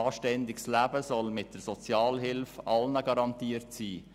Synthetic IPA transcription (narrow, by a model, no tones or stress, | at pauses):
ɑːʃtɛndɪɡslæːbəsɔlmɪt̚d̥əɾsɔt͡sjɑːlɦɪlfɑlnəɡɑɾɑntiːəɾtsiː